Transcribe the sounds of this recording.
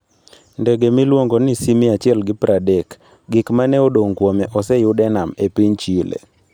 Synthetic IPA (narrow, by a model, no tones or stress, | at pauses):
ndɛɡemilwoŋɡonisimiat͡ʃɪɛlɡɪpɾʔadɛk | ɡɪkmanɛodoŋkwɔmɛʔɔsɛjʊdɛnamepiɲt͡ʃilḛ